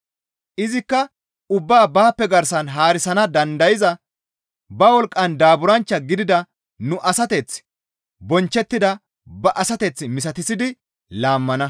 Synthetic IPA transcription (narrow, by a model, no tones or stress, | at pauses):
ʔɪzɪkːɐ | ʊbːaːbaːpːɛɡɐɾsɐnɦaːɾɪsɐnɐd̪ɐnd̪ɐjɪzɐ | bɐwɔlkʼːɐnd̪aːbʊɾɐnt͡ʃːɐɡɪd̪ɪd̪ɐ | nʊʔɐsɐt̪ɛt͡s | bɔnt͡ʃːɛt̪ːɪd̪ɐ | bɐʔɐsɐt̪ɛt͡sːmɪs̬ɐt̪ɪsɪd̪ɪ | laːmːɐnɐ